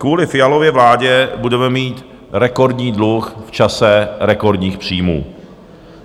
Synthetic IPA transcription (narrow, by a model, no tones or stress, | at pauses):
kvuːlɪfɪjalo̞vjɛvlaːɟɛbudɛmɛmiːt̪ | ɾɛko̞ɾdɲiːdluxft͡ʃasɛɾɛko̞ɾdɲiːxpr̝̥iːmṵː